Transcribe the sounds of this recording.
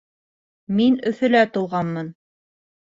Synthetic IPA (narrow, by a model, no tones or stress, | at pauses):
minɵ̆θɵ̆læt̪ŭlˠʁɑnmɤn